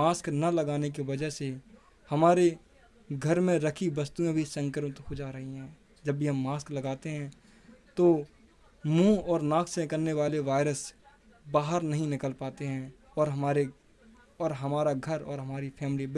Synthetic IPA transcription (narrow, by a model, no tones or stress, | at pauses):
aːsknɐlɐɡaːnek̬iʋɐd͡ʒəɦse | hɐmaːɾe | ɡʱɐɾmẽɾɐkʰibɐst̪uẽbʱisə̃ŋkəɾmt̪hod͡ʒaːɾɐɦiɦɛ̃ː | d͡ʒɐbʱːiɦɐmːaːsklɐɡaːt̪eɦɛ̃ː | t̪o | mũːɔːɾnaːkʰseɪkəɾneʋaːleʋaːɪɾəs | baːɦəɾnɐɦĩnɪkəlpaːt̪eɦɛ̃ | ɔːɾɦɐmaːɾe | ɔːɾɦɐmaːɾaɡʱɐɾɔ̰ːɾɦɐmaːɾipʰɛːmɪlib